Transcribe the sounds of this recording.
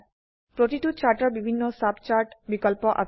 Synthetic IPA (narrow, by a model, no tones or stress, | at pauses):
pɾot̪iʈut̚t͡ɕaɾʈaɾbibʱinːosabt͡ɕaɾʈbikɔlpɔʔa̰